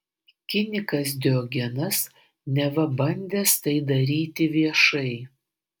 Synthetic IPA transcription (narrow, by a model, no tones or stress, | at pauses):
kʲɪnʲɪkɐs̬d̪ʲoːɡʲɛnɐs | nʲɛʋɐbɐnʲd̪ʲeːst̪ɐɪd̪ɐɾʲiːt̪ʲɪʋʲiɛʃɐɪ